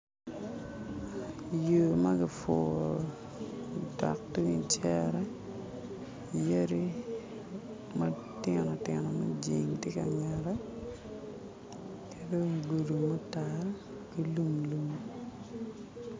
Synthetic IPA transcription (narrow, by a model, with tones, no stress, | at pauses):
jo˨ma˦ɡi˨fo˨ | dɔ̰˨k̚ti˦ŋi˨t͡ʃɛɾa˦˨ | je˦ɾi˦ | ma˦ | tjɛ˨nɔ˨tɪ˨nɔ˨mɛ˦d͡ʒi˨ŋtɪ˦ka˨ɲa˨ɾa˦ | kʰe˦do˦ɡu˨du˨mo˦ta˨ɾ | ɡ̥i˦lu˦mlu˨m